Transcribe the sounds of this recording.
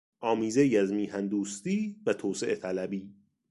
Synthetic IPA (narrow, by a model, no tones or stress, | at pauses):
ʔɒːmiːzeiæzmiːhænd̪uːst̪iːvæt̪ʰoːseʔet̪ʰælæbiː